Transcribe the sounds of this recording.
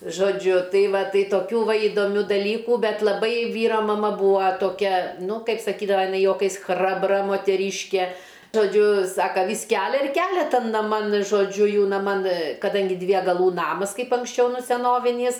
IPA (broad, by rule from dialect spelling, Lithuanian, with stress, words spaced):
ʒoːˈd͡ʒʲʊ ˈtɐɪ ˈʋɐ ˈtɐɪ toːˈkʲuː ˈʋɐ iːdoːˈmʲuː dɐˈlʲiːkuː ˈbʲɛt lˠɐˈbɐɪ ˈʋʲiːrɐ mɐˈmɐ ˈbuːɐ toːˈkʲɛ ˈnʊ ˈkɐɪp sɐˈkʲiːdɐʋɐ jɪˈnɐɪ juɔˈkɐɪs ˈxrɑːbrɐ moːtʲɛˈrʲiːʃʲkʲɛ ʒoːˈd͡ʒʲʊ ˈsɑːkɐ ʋʲiːs ˈkʲælʲɛ ɪr ˈkʲælʲɛ ˈtɐn nɐˈmɐn ʒoːˈd͡ʒʲʊ ˈjuː nɐˈmɐn kɐˈdɐŋʲɡʲɪ dʲʋʲiɛ ɡɐˈlˠuː ˈnɑːmɐs ˈkɐɪp ɐŋksʲˈt͡ʃʲɛʊ ˈnʊ sʲɛˈnoːʋʲɪnʲiːs